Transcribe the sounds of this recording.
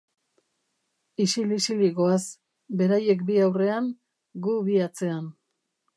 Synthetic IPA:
isilisiliɣo̞as | be̞ɾaje̞kbiawre̞aŋ | ɡuβiat͡se̞an

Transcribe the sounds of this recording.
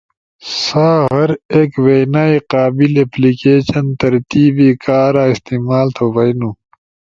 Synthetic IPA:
saːɦɐɾeːkʋeːnaːiqaːbileplikeːɕɐnt̪ɐɾt̪iːbiːkaːɾaːist̪iːmaːlt̪ʰoʋɐjnũː

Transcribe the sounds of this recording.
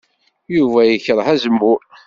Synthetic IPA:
juvæjəçəɾˤhæzəmːuɾ

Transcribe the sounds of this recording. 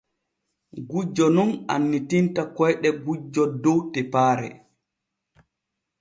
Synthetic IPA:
ɡud͡ʒɔnuna̰nːitintakɔjɗɛɡud͡ʒɔdɔwtɛpaːɾɛ̰

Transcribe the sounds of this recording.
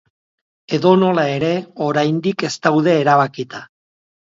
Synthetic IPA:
e̞ðo̞no̞lae̞ɾe̞o̞ɾajnd̪ike̞st̪awðe̞ːɾaβ̞akit̪a

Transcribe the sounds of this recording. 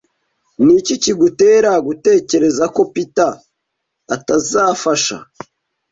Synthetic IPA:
niciciɡute̞ːɾaɡute̞ːce̞ɾe̞zako̞pitaː | tazaːfaʃa̰

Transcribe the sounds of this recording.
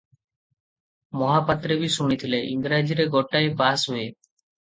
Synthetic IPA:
mɔɦapat̪ɾebisuɽ̃it̪ʰileʔiŋɡɾad͡ʒiɾeɡɔʈajbasɦue

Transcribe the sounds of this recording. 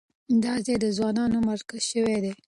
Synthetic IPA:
d̪ɑzed̪əzwɑnɑnomaɾkazʃəwed̪e

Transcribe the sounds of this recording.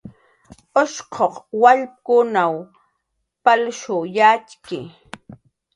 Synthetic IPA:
oʃqʰoqwaʎp̚kʊnaw | palʃʊjat͡ʃkɪ̰

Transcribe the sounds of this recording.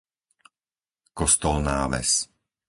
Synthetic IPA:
kɔst̪ɔlnaːʋɛ̰s

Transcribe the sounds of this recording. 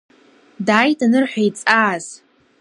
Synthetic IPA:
daːjtʰʼanɨrħʷᶣajt͡sʼaːz̥

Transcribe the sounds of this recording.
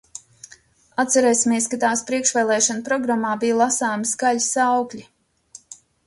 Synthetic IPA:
at̪sɛɾɛːsʲimiɛskat̪aːspɾiɛkʃvɛːlˠɛːʃanpɾɔɡɾamːaːbijlˠasaːjmsɡalʲsawklʲi

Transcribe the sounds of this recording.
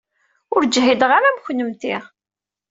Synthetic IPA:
ʊɾd͡ʒɦid̪ʁaɾæmçnəmt̪iʁ

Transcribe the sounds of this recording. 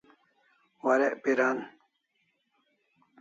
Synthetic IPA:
waɾeʔpiɾan

